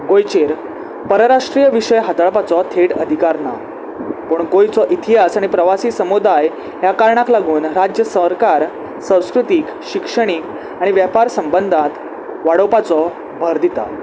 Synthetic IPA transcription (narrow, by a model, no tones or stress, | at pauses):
ɡojt͡ɕeɾ | pəɾəɾaʂʈɾijəʋiʂəjɦat̪aɭpat͡sɔt̪ʰeɽəd̪ʱikaɾna̰ | pəɳɡojt͡sɔʔit̪ʰiɦasaɽ̃ipɾəʋasiːsəmud̪aj | jakaɾɳaklaɡuːnɾad͡ʑjəsəɾkaɾ | sə̃w̃skɾut̪iːk | ɕikʂəɽ̃ik | aɽ̃iʋjapaɾsəmbənd̪ʱat̪ | ʋaɽəwpat͡sɔ | bʱəɾd̪it̪a̰